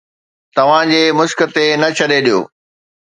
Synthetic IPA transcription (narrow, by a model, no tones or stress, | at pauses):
t̪ɐʋ̤ãd͡ʑeːmʊʃkə̆t̪enɐt͡ɕʰɐɗeɗijo̰ː